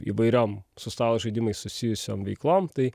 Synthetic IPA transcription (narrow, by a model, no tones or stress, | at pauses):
ḭʋɐɪɾʲoːmsʊst̪ɑːlˠoʒɐɪd̪ʲimɐɪsʊsʲɪjʊsʲo̰ːmʋʲɛɪklˠoːmt̪ɐɪ